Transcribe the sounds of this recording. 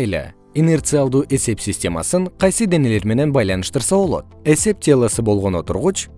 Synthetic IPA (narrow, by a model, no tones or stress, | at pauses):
lḛ | ine̞rt̪sɨalˠd̪uːʔe̞se̞psʲisʲtʲe̞mɑ̰sɨɴqʰɑjsɨd̪ene̞le̞ɾme̞ne̞nbɑjlˠɑnɯʃt̪əɾsɑbo̞lˠo̞̰t̪̚e̞se̞p̚tʲʰelˠəsɨbo̞lˠʁo̞no̞t̪ʊɾʁut͡ʃ